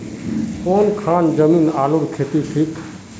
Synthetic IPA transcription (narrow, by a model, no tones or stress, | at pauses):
koːnkʰaːnd͡ʒəmiːnaːloɾkʰeːt̪itʰɪk